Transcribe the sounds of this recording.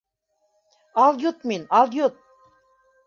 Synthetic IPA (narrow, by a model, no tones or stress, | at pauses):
ɑlˠjut̪minɑlˠjut̪̚